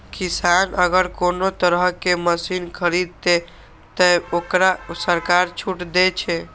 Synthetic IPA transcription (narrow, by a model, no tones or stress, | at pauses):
kisanəɡəɾkonot̪əɾəɦkeməsinkʰəɾid̪̚t̪e | t̪əokɾasəɾkaɾt͡ʃʰuʈd̪et͡ʃʰɛ